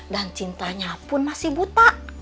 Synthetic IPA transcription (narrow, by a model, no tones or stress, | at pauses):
dant͡ʃint̪aɲapʊnmasɪhbut̪aʔ